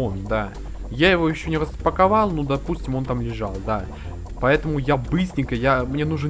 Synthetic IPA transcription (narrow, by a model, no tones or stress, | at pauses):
ond̪a | jajɪvo̞jɪɕːonʲɪɾəspəkɐvɑlˠnud̪ɐpusʲtʲɪmo̞nt̪amlʲɪʐɑlˠd̪a | pɐɛt̪əmʊjabɨsʲnʲɪkəjamnʲe̞nuʐɨn